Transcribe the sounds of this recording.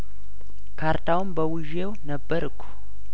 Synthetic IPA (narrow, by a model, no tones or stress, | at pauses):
kʰaɾt̪ʰawɨmbəwɨʒe̞wnəbːəɾɨkʷʰːu̥